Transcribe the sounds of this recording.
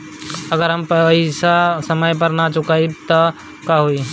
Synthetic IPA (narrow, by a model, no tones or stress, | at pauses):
ɐɡəɾɦɐmpɐisasɐməjp̬ɐɾnat͡ʃʊkait̪ɔ | kaɦoi